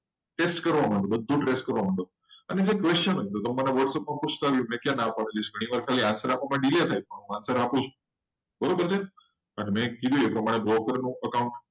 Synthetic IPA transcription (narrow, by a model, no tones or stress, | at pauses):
ʈesʈkəɾʋamãɳɖobəd̪ʱːũʈɾesʈkəɾʋamãɳɖo | ə̰ned͡ʒekʋest͡ʃənɦoĩt̪ot̪əmːəneʋəʈsəpmãput͡ʃʰt̪aːʋjũmɛ̃kjãnapaɽelit͡ʃʰɡʱəɽ̃ĩʋaɾkʰaliansəɾapʋamãɖilet̪ʰajpəɳ̃ɦũansəɾapũt͡ʃʰũ̥ | bəɾobəɾt͡ʃʰe | ənmɛ̃kid̪ʱjũepɾəmaɽ̃ebɾokəɾnũəkaũɳʈ